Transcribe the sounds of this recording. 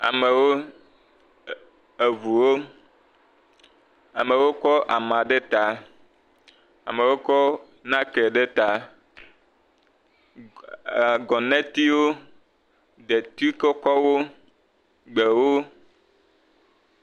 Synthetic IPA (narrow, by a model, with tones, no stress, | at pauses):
a̰˨me˨wo˦ | e˨vu˨wo˦ | a˨me˨wo˦kɔ˦ʔa˨mã˨ɖe˦t̪a˨ | a̰˨me˨wo˦kɔ˦ | nã˦ke˨ɖe˦t̪a˨ | ɡɔ˨nɛ̃˦t̪i˦wo˦ | d̪e˨t̪i˦ke˦kɔ˦wo˦ | ɡ͡be˨wo˦